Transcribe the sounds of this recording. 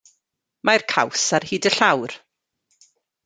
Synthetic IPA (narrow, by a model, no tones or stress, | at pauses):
majrkʰawsarhiːdəɬawr